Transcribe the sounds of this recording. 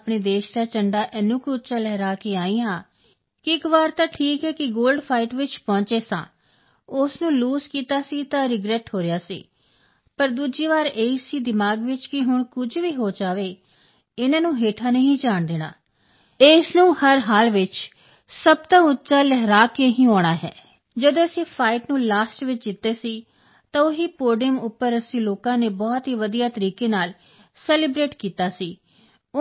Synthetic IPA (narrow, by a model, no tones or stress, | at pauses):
pɳeːd̪eːʃd̪aːt͡ʃəɳɖaːʔɛnʊːkʊtːt͡ʃaːlɛːɾaːkeːaːĩːãː | kɪɪkʋaːɾt̪ãːʈʰiːkɦɛːkɪɡoːlɖpʰaːɪʈʋɪt͡ʃpɔ̃ːt͡ʃeːsã̰ː | ʊsnũːluːzkiːt̪aːsiːt̪ãːɾɪɡɾɛːʈɦoːɾejaːsḭː | pəɾd̪uːd͡ʒiːʋaːɾeːiːsiːd̪ɪmaːɡʋɪt͡ʃkɪɦʊɳkʊd͡ʒʋiːɦoːd͡ʒaːʋeː | ɪnãːnũːɦeːʈʰaːnəɦĩːd͡ʒaːɳd̪eːna̰ː | eːsnũːhəɾɦaːlʋɪt͡ʃ | səb̚t̪ãːʊtːt͡ʃaːlɛɦɾaːkeɦĩːoːɽ̃aːɦɛ̰ː | d͡ʒəd̪õːəsĩːpʰaːɪʈnũːlaːsʈʋɪt͡ʃd͡ʒɪt̪ːeːsiː | t̪ãːʊɦiːpoːɖɪjəmʊpːəɾəsĩːloːkãːneːbɔːt̪ɦiːʋəd̪ijaːt̪əɾiːkeːnaːl | sɛːlɪbɾeːʈkiːt̪aːsiː